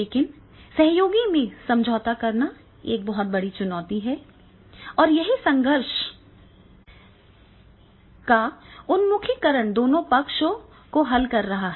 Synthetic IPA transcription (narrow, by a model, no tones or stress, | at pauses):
leːkɪn | sɐɦjoːɡimẽsɐ̃md͡ʒʱɔːt̪akɐɾna | ḛːk̚bɔɦʊt̪̚bɐɽit͡ʃʊnɔːt̪iɦɛ | ɔːɾjɐɦisɐ̃ŋɡəɾʃ | kaʊnmʊkʰikɐɾəɳd̪oːnõpɐkʃo | koɦɐlkɐɾːɐɦaɦɛ